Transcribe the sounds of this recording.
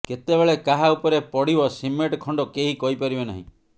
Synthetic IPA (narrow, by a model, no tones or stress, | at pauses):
ket̪ebeɭekaɦaupɔɾepɔɽibɔsimeʈkʰɔɳɖɔkeɦikɔipaɾibena̰ɦḭ̃